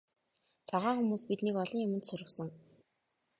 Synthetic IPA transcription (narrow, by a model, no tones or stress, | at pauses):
t͡saʁaːŋxumuːspit̪nikɔɮɞ̆ŋjʊmɘ̆t̪sʊɾɪ̆ksə̆ŋ